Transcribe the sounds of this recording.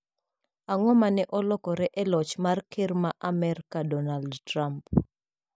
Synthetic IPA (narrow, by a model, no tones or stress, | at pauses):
aŋɔmanɛʔɔlɔkɔɾɛʔɛlɔt͡ʃmarkʰermaʔamɛɾkadɔnaldtramp